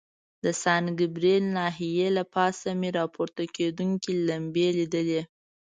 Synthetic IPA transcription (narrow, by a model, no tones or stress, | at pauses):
d̪̥əsɑnɡɪbɾelnɑɦijelapɑsameɾɑpʰoɾt̪aked̪uŋkilambelid̪əle